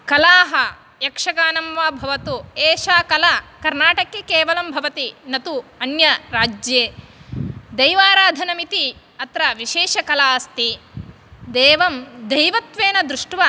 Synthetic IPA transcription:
kɐlaːɦɐ | jɐkʂɐkaːnɐmʋaːbʱɐʋɐt̪ueːʃaːkɐlɐkɐɾnaːʈɐkːekeːʋɐlɐmbʱɐʋɐt̪inɐt̪uɐnjɐɾaːd͡ʒjeː | d̪ɐjʋaːɾaːd̪ʱɐnɐmit̪i | ɐt̪ɾɐʋiʃeːʂɐkɐlaːst̪i | d̪eːʋɐmd̪ɐjʋɐt̪ʋeːnɐd̪ɾuʂʈʋa

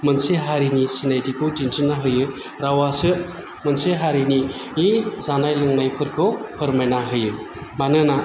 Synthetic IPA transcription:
mənseɦaɾinisinajdikʰudintɯnaɦɯjɯ | ɾawasɯ | mənseɦaɾiniː | zanajlɯŋnajpʰɯɾkʰɯwpʰɯɾmajnaɦɯjɯ | manɯna

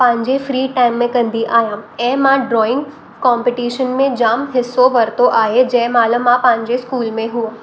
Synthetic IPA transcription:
pãɲd͡ʒefɾiːʈajmːẽkə̃nd̪ʱiʔajãẽmãɖɾɔɪ̃ŋɡ | kɔmpiʈiʃənmẽd͡ʒaːmɦɪsːoʋəɾt̪oʔaɦed͡ʒemaləmãpãɲd͡ʒeskuːlmẽɦuã

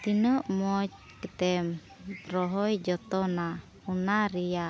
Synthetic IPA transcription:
t̪inəʔmɔt͡ʃ | kət̪ɛm | rɔɦɔjd͡ʒɔt̪ɔna | hunaɾija

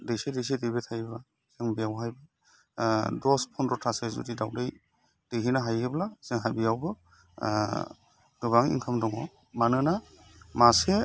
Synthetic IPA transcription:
dejsedejs̬edebetʰajba | z̥ɯŋbiawɦajbɯ | dɔspʰɔnɾɔtʰasezɔ̰didawdej | d̥eɦinaɦajɡeblaz̥eŋɦabijawbɯ | dubaŋḭŋkʰamdɔŋɔ | manɯna | mase

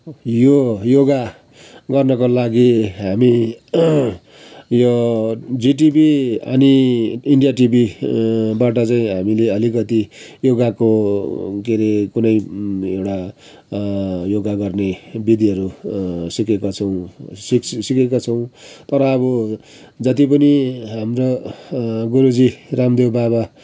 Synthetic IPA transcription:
jojoɡa | ɡʌrnʌkolaɡiɦami | jod͡ziʈ̬ibiʌ̰niːɳɖijaʈibi | baʈʌt͡saĩɦamileʌlikʌt̪ijoɡako | keɾekunʌjewʈa | joɡaɡʌrnebid̪iɦʌɾusikekot͡sʰʌw̃siksikekot͡sʰʌw̃t̪ʌɾʌːbʌ | d͡zʌt̪ipʌniɦamro | ɡoɾud͡ziramd̪ewbaβa

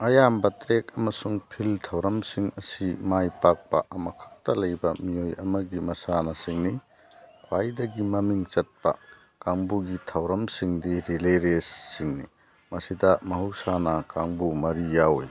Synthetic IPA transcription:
ɐjambɐtɾekɐmɐsuŋpʰiltʰɐwɾɐmsiŋɐsimajpak̚pɐ̰ʔɐmɐkʰɐ̥k̚tɐlɐjbɐmijojɐmɐɡimɐsanɐsiŋni | kʰwajdɐɡimɐmiŋt͡ʃɐt̚pɐ̰ | kaŋbuɡitʰɐwɾɐmsiŋdiɾileɾesːiŋni | mɐsidɐmɐɦusanɐkaŋbumɐɾijawj

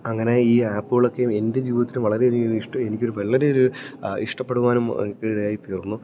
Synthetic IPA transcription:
ɐŋːɐne̞iːaːpːuɣɐɭo̞kːe̞jume̞nde̞d͡ʑiːʋiðɐt̪ːilumʋɐɭɐɾe̞niliʂʈɐenikʲːo̞ɾuʋɐlːɐɾeo̞ɾuḭʂʈɐpːe̞ɽuʋaːnum̰kːɨɽɐjaːjit̪iːrunːu

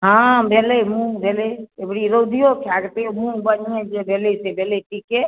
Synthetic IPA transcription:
ɦãbʱelemũbʱeleebɽiɾod̪ʱijokʰaɡtemũbəniẽd͡ʒebʱelesebʱeleʈike

